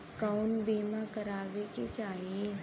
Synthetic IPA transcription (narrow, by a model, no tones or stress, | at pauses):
kaʊnbeːmakɐɾaːʋeket͡ʃaːɦie